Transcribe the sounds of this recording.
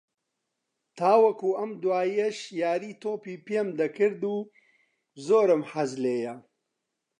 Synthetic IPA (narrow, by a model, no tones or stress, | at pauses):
t̪ʰaːwɐkuːɐmd̪waːjeʃjaːɾiːt̪ʰoːpiːpemd̪ɐkʰɨɾd̪uː | zoːɾɨmħɐzleːjɐ